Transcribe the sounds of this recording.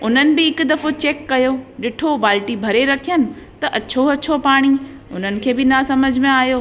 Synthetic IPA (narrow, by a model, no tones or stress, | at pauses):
ʊn̤ənɪ̆bɪɦɪkʊ̆d̪ɐfot͡ɕeːkːɐjoɗɪʈʰoʋaːlʈibʱɐɾeɾɐkʰijənɪ̆ | t̪ɐʔɐt͡ɕʰoɐt͡ɕʰopaːɽ̃i | ʊn̤ənɪ̆kʰeːbɪnasɐməd͡ʑʱmẽaːɦjoː